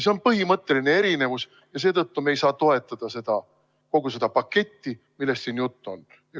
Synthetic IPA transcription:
se̞o̞npɤɦimɤt̪ːˑe̞line̞e̞ɾine̞vus | jɑs̬eːt̪ɤt̪ːumejsɑːt̪o̞e̞t̪ːˑɑd̪̥ɑse̞d̪̥ɑ | ko̞ɡ̥us̬e̞d̪̥ɑpɑkːe̞t̪ʲːi | milːe̞st̪siːnjut̪ːˑo̞n

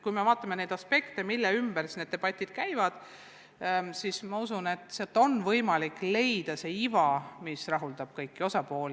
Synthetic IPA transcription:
kujme̞vɑːt̪ːˑɑmene̞jd̪ɑspe̞kt̪e̞milːeymb̥ærsne̞d̪̚eb̥ɑt̪ʲːˑid̪̥kæjvɑd̪̥ | sismɑusune̞t̪ːˑseɑt̪ːˑo̞nvɤjmɑlikːˑle̞jd̪̥ɑse̞ːivɑmisrɑɦuld̪̥ɑb̥̚kɤjkːˑio̞sɑpo̞ːli

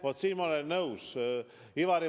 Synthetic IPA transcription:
vot̪siːnmɑolɛnːəus | ivɑɾi

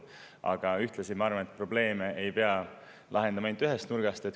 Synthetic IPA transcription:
ɑ̰ɡ̥ɑyht̪lesinmɑɑɾvɑnet̪̚pro̞ble̞ːmeʔejpeɑ | lʔɑɦe̞nd̪ɑmɑend̪yɦest̪nurɡ̥ɑst̪e̞t̪

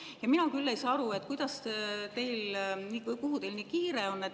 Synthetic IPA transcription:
jɑminɑkylːe̞jsɑːɑɾue̞t̪ːˑkujd̪ɑst̪e̞jlniːvɤjkuɦut̪e̞jlniːkiːɾeo̞nːet̪

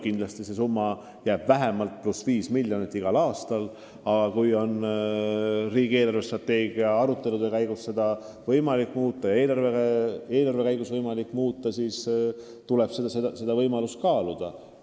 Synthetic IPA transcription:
kind̪lɑst̪ise̞s̬umːɑ | jæːb̥væɦe̞mɑlt̪̚plusviːsmiljo̞nit̪ːˑiɡ̥ɑlɑːst̪ɑl | ɑɡ̥ɑkujo̞n | riːɡ̥ie̞ːlɑrve̞st̪rɑt̪ːe̞ːɡiɑɑɾut̪ːˑe̞lud̪e̞kæjɡ̥usse̞d̪̥ɑ | vɤjmɑlikːˑmuːt̪ːˑɑjɑe̞ːlɑrvee̞ːlɑrve̞kæjɡusvɤjmɑlikːˑmuːt̪ːˑɑsiːs | t̪ule̞b̥sed̪ɑsed̪se̞d̪ɑvɤjmɑlust̪̚kɑːlud̪̥ɑ

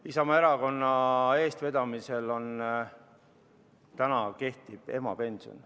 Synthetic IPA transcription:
isɑmɑeɾɑko̞nːɑe̞ːst̪ve̞d̪̥ɑmise̞lo̞n | t̪ænɑke̞ht̪ib̥e̞̰mɑ̰pe̞nʲso̰n

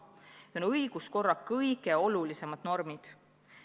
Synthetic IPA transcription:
onɤjɡ̥usko̞rːɑkɤjɡ̥eo̞lulise̞mɑd̪̥no̞rmid̪̥

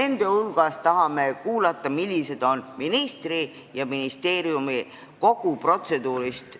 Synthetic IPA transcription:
e̞nd̪̥e̞hulɡ̥ɑst̪ɑɦɑmekuːlɑt̪ːˑɑmilʲːise̞d̪̥o̞nminist̪ri | jɑminist̪e̞ːɾiumi | ko̞ɡ̥upro̞t̪se̞d̪̥uːɾist̪

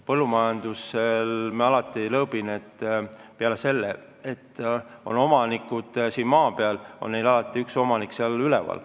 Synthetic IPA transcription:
pɤlːumɑjɑnd̪̥uselmɑɑlɑt̪ːˑilɤb̥inet̪ːpeɑlese̞lːe | et̪ːo̞̰no̞mɑnikːˑud̪̥siːnmɑːpeɑlo̞nne̞jlɑlɑt̪ːˑiykso̞mɑnikseɑlylɛvɑ̰l

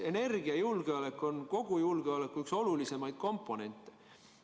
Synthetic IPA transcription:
e̞ne̞rɡ̥iɑjulɡ̥e̞ɑle̞kːˑo̞nko̞ɡ̥ujulɡ̥eɑlekːuykso̞lulise̞mɑjd̪̥̚ko̞mpːˑo̞ne̞nʲt̪ːˑe̥

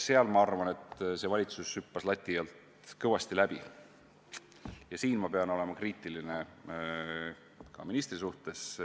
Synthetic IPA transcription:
se̞ɑlmɑɑrvɑne̞t̪ˑse̞vɑlʲit̪susːypːɑslɑt̪ʲˑːijɑlt̪ | kɤwɑst̪ilæb̥i | jɑsiːnmɑpe̞ɑno̞le̞mɑkriːt̪ːˑiline | kɑ̰minist̪risuht̪e̞s

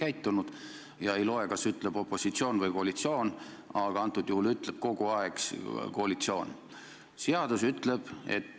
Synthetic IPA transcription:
kæjt̪ːunud̪̥ | jɑe̞jlo̞e̞kɑsyt̪ˑleb̥o̞pːˑo̞sit̪sio̞ːnvɤjko̞ɑlit̪sio̞ːnɑɡ̥ɑɑnt̪ːˑud̪̥juhulyt̪ˑle̞b̥̚ko̞ɡ̥uɑekskoɑlit̪sio̞ːn | seɑd̪̥usyt̪le̞b̥e̞̰t̪ː

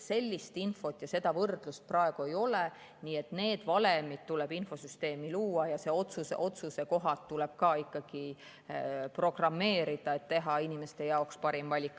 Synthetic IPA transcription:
se̞lʲːist̪info̞t̪ːˑjɑse̞d̪̥ɑvɤrd̪̥lust̪̚prɑeɡ̥uejo̞le | niːe̞t̪ne̞ːd̪̥vɑle̞mid̪̥̚t̪ːule̞b̥info̞syst̪e̞ːmiluːɑjɑse̞o̞t̪susḛʔo̞t̪suse̞ko̞ɦɑt̪ːuleb̥̚kɑːikːɑɡ̥i | pro̞ɡ̥rɑmːe̞ːɾid̪̥ɑe̞t̪t̪ːe̞ɦɑinime̞st̪e̞jɑokspɑɾimvɑlʲikːˑ

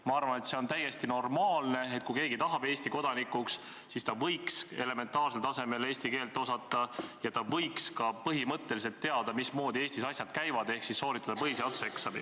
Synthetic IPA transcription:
mɑɑrvɑne̞t̪se̞o̞nt̪æjːe̞st̪ino̞rmɑːlne̞et̪̚kujke̞ːɡit̪ɑɦɑb̥e̞ːsʲt̪iko̞d̪̥ɑnikːˑuks | sist̪ɑvɤjkse̞̰le̞me̞nt̪ɑːrs̬elt̪ɑse̞me̞le̞ːsʲt̪ike̞ːlt̪ːˑo̞sɑt̪ːˑɑjɑt̪ɑvɤjkskɑpɤɦimɤt̪ːe̞lis̬e̞lt̪ːe̞ɑd̪̥ɑmismo̞ːd̪ieːsʲt̪isɑsʲjɑd̪kæjvɑd̪̥e̞hksisːo̞ːɾit̪ːˑɑd̪ɑpɤɦiseɑt̪seksɑbḭ

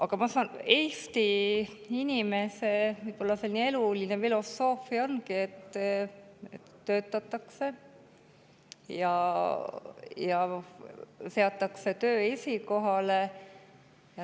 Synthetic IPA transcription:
ɑɡ̥ɑmɑsɑːnejst̪i | inʲime̞se̞vɯjpo̞lːɑselnʲie̞lulinefilo̞sːo̞ːfio̞nkie̞t̪ː | ḛt̪ːø̞ːt̪ːˑɑt̪ːˑɑkse̞ | jɑ | jɑ | se̞ɑt̪ːˑɑkse̞t̪ø̞ːe̞siko̞ɦɑle̞ | jɑ

